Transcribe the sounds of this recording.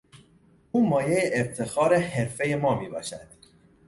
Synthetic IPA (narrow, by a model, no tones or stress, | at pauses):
uːmɒːjejeʔeft̪ʰe̞xɒːɾehe̞ɾfe̞je̞mɒːmiːbɒ̰ːʃæd̪̥